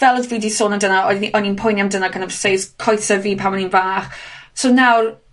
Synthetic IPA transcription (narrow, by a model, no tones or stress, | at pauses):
vɛlˠədviːdisoːnəmdənaɔʔɔninpʰʊjnjamdənaɡʰənavseskʰɔjθəviːpʰawmɔninvaːχsoːnawr